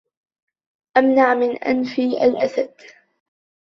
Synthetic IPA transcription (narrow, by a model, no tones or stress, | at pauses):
ʔamnaʕmɪnʔa̰nfiːʔa̰lʔasad̪